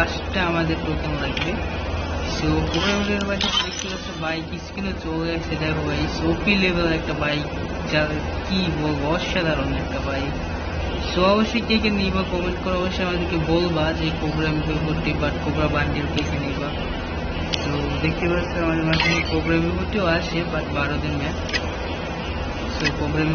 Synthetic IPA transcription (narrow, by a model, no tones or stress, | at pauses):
aʃʈaamad̪eɾpɾok̪amoɾakbe | sopɾoɡɾamɾeɾbajted̪ek̚ʰt̪epaɾt͡ɕʰebajkit͡ɕʰu̥kinot͡ɕolaʃeʈajɦobajsofʰilebeleɾɛk̚ʈabajk | d͡ʑaekibolbaɔʃad̪ʱaɾonɛk̚ʈabaj | soaboʃekekʰenijbakɔmeɳʈkɔɾaɔboʃeamad̪eɾkebolbad͡ʑepɾoɡɾambʱipoʈːibaʈ̚kobɾabaɳɖiɾokekʰenijba | so | d̪ek̚ʰt̪epatsʰeamad̪eɾmaʃʰinepɾoɡɾambipoʈːioaʃʰebaʈbaɾod̪inmɛ | sopɾoɡɾam